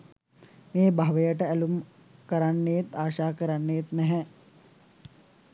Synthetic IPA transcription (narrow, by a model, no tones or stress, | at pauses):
meːbaɦʋəjəʈəælum | kəɾanːejt̪aːʃaːkəɾanːet̪nɛɦɛ